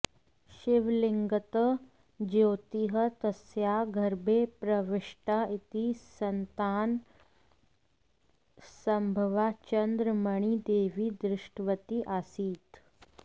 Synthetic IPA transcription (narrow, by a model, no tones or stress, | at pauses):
ʃɪʋliŋɡət̪ə | d͡ʑoːt̪iɦət̪əsjaɡʱəɾbʱepɾɐʋɪʂʈait̪isənt̪aːn | səmbʱəʋat͡ʃənd̪ɾəməɳ̃id̪eːʋiːd̪ɾɪʂʈʋət̪iʔasiːt̪